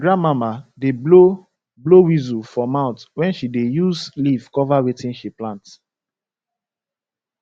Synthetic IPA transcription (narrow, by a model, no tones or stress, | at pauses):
ɡɹãnmamadeblo | blowizufɔmãʊ̃ntwɛ̃nʃidejuzlivkɔvawetĩnʃiplãnt